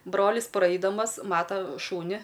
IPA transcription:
ˈbroːlʲɪs ˈprɐɪdɐmɐs ˈmɑːtɐ ˈʃuːnʲɪ

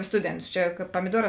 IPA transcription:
ˈstʊdʲɛnˌtʊs ˈt͡ʃʲɛ kɐt pɐmʲɪˈduɔrɑː

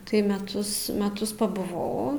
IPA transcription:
tɐɪ mʲɛˈtʊs mʲɛˈtʊs pɐbʊˈʋɐʊ

